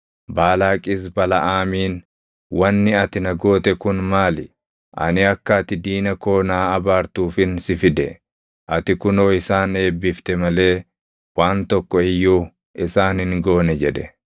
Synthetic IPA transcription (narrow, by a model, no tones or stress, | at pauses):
baːlaːkʼɪs̬bɐlɐʔaːmiːn | wɐnːɪɐt̪ɪnɐɡo̞ːt̪ɛkʊnmaːlɪ | ʔɐ̰nɪɐkːɐːt̪ɪd̪iːnɐko̞ːnaːɐbaːɾt̪uːfɪnsɪfɪd̪ɛ | ʔɐt̪ɪkʊno̞ːɪsaːne̞ːbːɪft̪ɛmɐle̞ː | waːnt̪ɔkːɔɪjːuː | ɪsaːnhɪŋɡo̞ːnɛd͡ʒɛᶑ̪ɛ